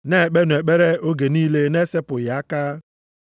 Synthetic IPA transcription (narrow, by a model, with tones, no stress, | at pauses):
ne˦e˨k͡pe˦nʊ˨e˨k͡pe˦ɾe˦o˦ɡe˨niː˦le˦ne˦se˦pʊ˨ja˨a˦ka˦